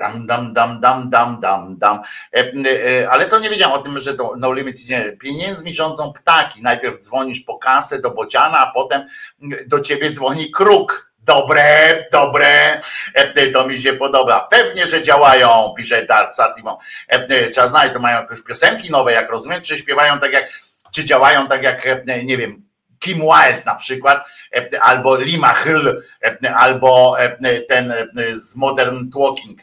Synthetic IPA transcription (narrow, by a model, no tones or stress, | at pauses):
d̪amd̪amd̪amd̪amd̪amd̪amd̪am | alɛt̪ɔɲɛvʲjed͡ʑawɛmɔt̪ɘmʐɛt̪ɔnɔwlʲimɘt͡ɕit͡ɕɛpʲjeɲɛnd̪zmʲiʐɔnd̪zɔ̃w̃pt̪akʲinajpʲɛɾvd̪zvɔɲit͡ɕpɔkasɛd̪ɔbɔd͡ʑanaːpɔt̪ɛmd̪ɔt͡ɕebʲjɛd̪zvɔɲikɾuk | d̪ɔbɾɛd̪ɔbɾɛ | t̪ɔmʲiɕ̬ɛpɔd̪ɔbapɛvɲɛʐɛd͡ʑawajɔ̃w̃pʲiʐɛjd̪aɾt̪sat̪ivɔ̃wtʂɛbaznalɛt͡ɕt̪ɔmajɔ̃w̃jakɔ̃ɕpʲjɔsɛŋkʲinɔvɛjakɾɔzumjɛmtt͡ʂɘɕpʲjɛvajɔ̃w̃t̪akʲjak | t͡ʂɘd͡ʑawajɔ̃w̃t̪akjakɲɛvʲjɛm | kʲimwajlt̪napʂɘkwat̪ʔalbɔlʲimaxl | ʔalbɔt̪ɛnzmɔd̪ɛɾnt̪wɔkʲiŋk